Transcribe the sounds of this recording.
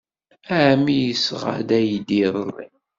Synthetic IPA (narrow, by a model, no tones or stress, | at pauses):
æmijəsʁa̰d̪æjd̪iðˤərˤːḭ